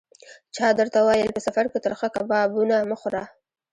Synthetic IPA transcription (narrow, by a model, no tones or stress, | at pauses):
t͡ʃɑd̪əɾt̪awɑjəlpəsafaɾket̪əɾxakabɑbunaməxʊɾɑ